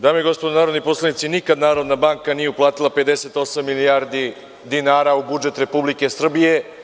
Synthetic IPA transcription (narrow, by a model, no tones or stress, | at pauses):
d̪aːmojiɡo̞spod̪onaːɾo̞d̪niposlˠanit̪sinikad̪naːɾo̞d̪nabaŋkanijeuplˠaːt̪ilˠape̞d̪e̞set̪o̞samːilijaːɾd̪i | d̪inaːɾaubud͡ʒe̞t̪ɾe̞publike̞sr̩bije̞